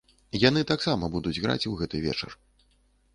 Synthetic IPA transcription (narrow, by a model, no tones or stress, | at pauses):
janɨt̪aksamɐbud̪ud͡zʲɣɾa̰t͡sʲwɣɛt̪ɨvʲɛ̰t͡ʂɐ̰r